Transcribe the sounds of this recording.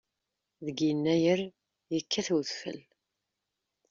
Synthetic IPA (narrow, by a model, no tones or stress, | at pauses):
ðəɡjinːæjəɾ | jəkːæθwðfə̰l